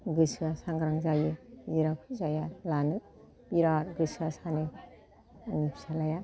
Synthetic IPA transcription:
ɡɯsuasaŋɡɾaŋzajɯiɾakʰɯzajalanɯ | biɾaɾɡɯsuasani | nipʰsalaja

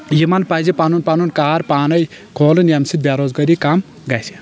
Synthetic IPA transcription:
jimanpazipanunpanunkaːɾpaːnɐj | kʰoːlɨnjamsid̪̚bjaɾoːzɡɐɾikam | ɡajsi̥

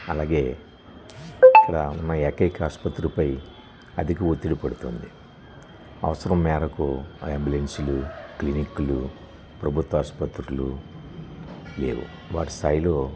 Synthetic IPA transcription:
ɐlaːɡe̞ː | ikːɐɽɐunːɐɛkɐkaːspɐt̪ːɾuupɐj | ɐd̪ʱikiot̪ːiɽipɐɽut̪o̰ːnd̪i | ɐ̰ʋɐsɐɾɐmːɛːɾɐkueːmbiulensiluklinikulu | pɾɐbʱut̪ʋɐːspɐt̪ɾulṵ | le̞̰ːʋṵ | ʋa̰ːʈi̥st̪aːjlo̞ː

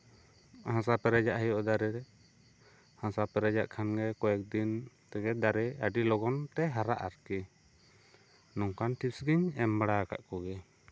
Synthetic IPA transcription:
hãs̬apɛɾɛd͡ʒaʔhɛjɔʔd̪aɾɛɾɛ | hãsapɛɾɛd͡ʒaʔkʰanɡɛkɔjɛk̚d̪int̪ɛɡɛd̪aɾɛaɖilɔɡɔnt̪ɛɦaɾaʔaɾkɛ | nɔŋkʰanʈʰisɡiɲɛmbaɽaaka̰ʔkɔɡɛ

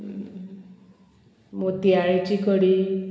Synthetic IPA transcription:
mot̪iaɭit͡ʃikɔɽi

